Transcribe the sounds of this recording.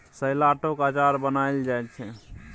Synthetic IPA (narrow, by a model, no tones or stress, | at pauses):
səjlaʈokat͡ʃaɾbənajld͡ʒajt͡ʃʰɛ